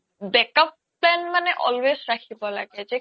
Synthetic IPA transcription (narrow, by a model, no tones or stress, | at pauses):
bɛkɔp̚ː | lɛnmanɛʔɔ̰lwezɹakʰibɔlaɡɛzɛ